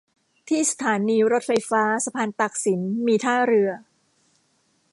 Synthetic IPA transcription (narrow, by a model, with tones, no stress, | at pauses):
t̪ʰiː˥˩sḁ˧t̪ʰaː˩˦niː˧ɾo˦˥t̪̚fa˧jfaː˦˥sa˧pʰaː˧nt̪a˨˩k̚si˩˦nmiː˧t̪ʰaː˥˩ɾɯ˧ɐ